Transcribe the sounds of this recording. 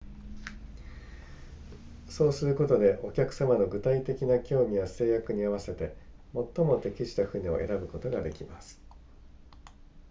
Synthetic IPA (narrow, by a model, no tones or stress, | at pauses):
so̞ːsɨɾɯ̟ko̞t̪o̞d̪e̞ʔo̞kʲakɯ̟̥samano̞ɡɯ̟t̪ait̪e̞kʲinakʲo̞ːmʲijase̞ːjakɯ̟ɲ̟iaβ̞ase̞t̪e̞ | mo̞t̪ːo̞mo̞t̪e̞kʲiɕi̥t̪aɸɯ̟ɲ̟io̞̰ʔe̞̰ɾabɯ̟ko̞t̪o̞ɡad̪e̞kʲimasɨ̥